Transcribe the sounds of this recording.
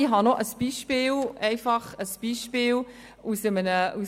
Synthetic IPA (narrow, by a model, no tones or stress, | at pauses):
iɦɑnoʔəsb̥iːʃpiːlɛɪfɑχəsb̥iːʃpiːl | usəmənəʔus